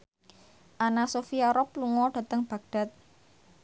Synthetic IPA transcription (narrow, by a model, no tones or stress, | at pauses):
ʔanasofiaɾɔp̚luŋɔɖ̥ä̤t̪əŋb̥a̤ɡ̚ɖ̥a̤t̪̚